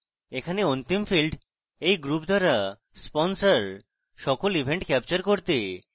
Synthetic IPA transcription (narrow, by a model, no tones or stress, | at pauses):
ekʰaneont̪imfilɖ | ejɡɾupd̪ʱaɾa | spɔnsaɾ | ʃɔkolibʱeɳʈkɛpt͡ɕaɾkoɾt̪e